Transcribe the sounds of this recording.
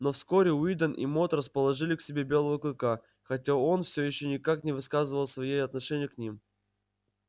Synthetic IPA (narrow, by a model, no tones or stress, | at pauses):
nofsko̞ɾʲɪʊid̪ənʔḭmo̞t̪rəspəlˠɐʐɨlʲɪksʲɪbʲe̞bʲelˠəvəklʲˠɪka | xɐtʲao̞nfsʲojɪɕːonʲɪkaknʲɪvɨskazɨvəlˠsvɐjejɐt̪nɐʂɛnʲɪjʊknʲim